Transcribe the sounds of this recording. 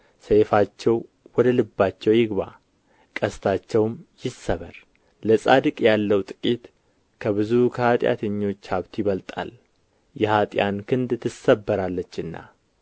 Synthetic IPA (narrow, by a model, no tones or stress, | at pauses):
sefat͡ʃːɛw | wɔd̪əlɨbːat͡ʃːɛwjɪɡβa̰ | kʼəst̪ʰat͡ʃːɛwmjɪsːəβəɾ | ləsʼad̪ɨkʼjalːəwt̪ʼɨ̥kʼit̪ | kʰəβɨzukʰəat̪ʼja̰t̪ʰəɲːo̞t͡ʃːhaβt̪ʰjɪβəlt̪ʼa̰l | jɛhat̪ʼjankʰɨnd̪t̪ʰːɨsəbːəɾalːət͡ʃːɨnːa̰